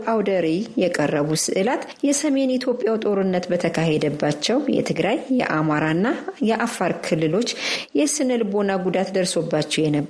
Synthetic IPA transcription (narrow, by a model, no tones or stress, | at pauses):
ʔawd̪əɾijɛkʼərːəβusɨ̰ʔɨlat̪jɛsəme̞nit̪ʰjo̞pʼjawt̪ʼo̞ɾɨnːət̪bət̪ʰəkʰahed̪əbːat͡ʃːɛwjɛ̰t̪ʰɨɡɾajːɛ̰ʔamaɾanːajɛʔafːaɾkʰɨlːɨlo̞t͡ʃːjɛsɨnɨlbo̞naɡud̪at̪d̪əɾso̞bːat͡ʃːɛjɛnəb